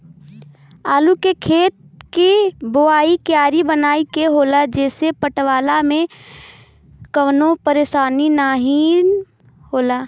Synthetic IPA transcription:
aːlukekʰeːt̪̚kiboaːikjaːɾibənaːikeɦoːlad͡ʒɛːsepəʈʋaːlamẽ | kəʋnopəɾeːʃaːninaɦi | hoːlaː

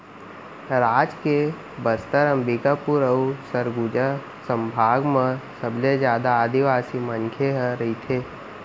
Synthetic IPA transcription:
ɾaːd͡ʒke | bəst̪əɾə̃mbikapuɾəusəɾɡud͡ʒa | sə̃mbʱaːɡməsəbled͡ʒjaːd̪aːd̪iʋaːsimənkʰeɦəɾɐɦit̪ʰeː

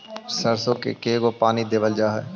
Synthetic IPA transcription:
səɾsõkḛkeːɡopaːnid̪eːbəld͡ʒaːɦɛː

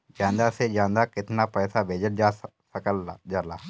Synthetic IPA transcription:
d͡ʒãːnd̪ased͡ʒãːnd̪akɪt̪napɛːsabʱeːd͡ʒəʈ̚asəkəld͡ʒaːlaː

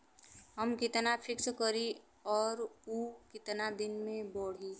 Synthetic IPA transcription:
ɦəmkɪt̪napʰɪkskəɾi | ɔːɾukɪt̪nad̪ɪnmẽbɔːɽ̤i

